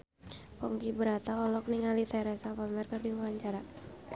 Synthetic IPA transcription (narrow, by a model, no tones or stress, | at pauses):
pɔŋkibəɾat̪aɔlɔk̚niŋalit̪ɛɾɛsapamɛrkərdiwuaɲt͡ʃaɾa